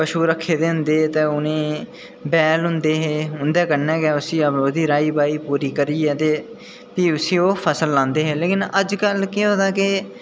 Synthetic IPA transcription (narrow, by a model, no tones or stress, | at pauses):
pəʃuːɾəkʰːeːd̪eːɦʊ̃nd̪eːt̪eːʊnẽː | bɛːlɦʊ̃nd̪eːɦeːɦʊnd̪ɛːkəɾnɛːkɛːʊsĩːəbɾoːd̪iːɾaːiːbaːiːpuːɾiːkəɾiːɛːt̪eː | piːʊsĩːoːpʰəsəlːãːnd̪eːɦeːleːkɪnəd͡ʒkəlkɪɦõːd̪aːkɪ